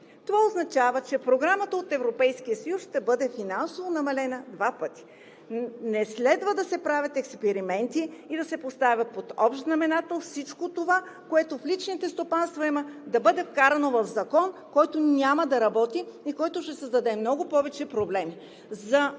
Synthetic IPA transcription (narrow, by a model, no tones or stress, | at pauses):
t̪ovaoznɐt͡ʃavət͡ʃɛpɾoɡɾamət̪əot̪ɛvɾopɛjskijəsɐjusʃt̪ɛbɤd̪ɛfinansovonɐmɐlɛnɐd̪vapɤt̪i̥ | nɛslɛd̪vəd̪ɐsɛpɾavʲɐt̪ɛkspɛɾimɛnt̪iːd̪ɐsɛpost̪avʲɐpot̪ɔpʃt̪znɐmɛnat̪ofsit͡ʃkot̪ova | koɛt̪oflit͡ʃnit̪ɛst̪opanst̪voiməd̪ɐbɤd̪ɛfkaɾɐnovɐvzɐkɔnkɔjt̪onʲamɐd̪ɐɾɐbɔt̪iːkɔjt̪oʃt̪ɛsɐzd̪ɐd̪ɛmnɔɡʊpɔvɛt͡ʃɛpɾoblɛmi | zɐ